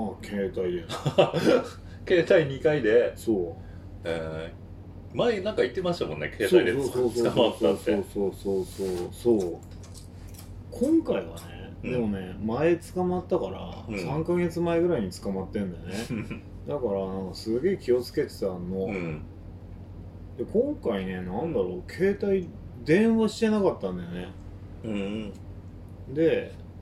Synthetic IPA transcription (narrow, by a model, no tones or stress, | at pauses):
maːkʰe̞ːt̪aid̪e | ke̞ːt̪aiɲ̟ikaid̪eso̞ː | e | maenãŋkait̪ːe̞maɕi̥t̪amõ̞nːḛkʰeːtsoaidesoːoːsɨokamat̪sːtsoːso̞ːsoːsoːsoː | kʰõ̞ŋkaiβa̰ne | d̪e̞mo̞ne̞mae̞t͡sɨ̥kamat̪ːakaɾa̰sãŋkaɡe̞t͡sɨmaeɡɯ̟ɾaiɲ̟it͡sɨ̥kamat̪ːẽ̞nd̪ane | d̪akaɾanãŋkasɨɡe̞ːkʲio̞t͡sɨ̥ke̞t̪e̥t̪anːo̞ | d̪e̞kʰõ̞ŋkaine̞nãnd̪aɾo̞kʰe̞ːt̪aid̪ẽ̞ɰ̃βaɕi̥t̪e̞nakat̪ːãnd̪ene | d̪e̞